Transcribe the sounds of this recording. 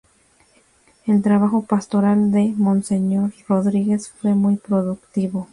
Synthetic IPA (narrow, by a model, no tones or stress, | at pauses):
elt̪ɾaβaxopast̪o̞ɾald̪emõnseɲo̞ɾroðɾiɣesfwe̞mujpɾoðukt̪iβo